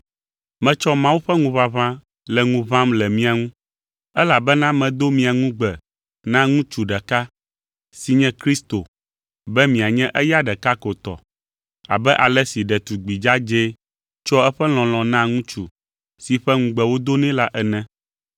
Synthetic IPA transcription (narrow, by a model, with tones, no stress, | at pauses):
mɛ̃˦t͡ʃɔ˦mã˦wu˦ɸɛ˦ŋũ˦βa˨βã˦ | lɛ˨ŋũ˦βã˦mlɛ˨mĩ˦a˨ŋũ˦ | ɛ˦la˨bɛ˦nã˦mɛ̃˨d̪o˦mĩ˨a˨ŋũ˦ɡ͡bɛ˨ | nã˦ŋũ˦t͡ʃu˨ɖɛ˨ka˦ | si˨ɲɛ̃˦kɾi˦st̪o˨ | bɛ˦mĩ˨a˨ɲɛ̃˦ʔɛ˦ja˦ɖɛ˨ka˦ko˨t̪ɔ̰˨ | a̰˨bɛ˦ʔa˨lɛ˦si˨ɖɛ˨t̪u˨ɡ͡bi˨d͡ʒa˦d͡ʒe˦ | t͡ʃɔ˦ɛ˦ɸɛ˦l̃ɔ̃˨l̃ɔ̃˨nã˦ŋũ˦t͡ʃu˨ | si˨ɸɛ˦ŋũ˦ɡ͡bɛ˨wo˦d̪o˦nɛ̃˦la˦ʔɛ˨nɛ̃˦